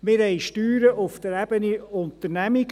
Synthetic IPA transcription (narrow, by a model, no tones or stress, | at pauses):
mɪɾɦɛjʃtyːɾəʔʊft̪əɾæb̥əniʊnt̪ərnæmiɡ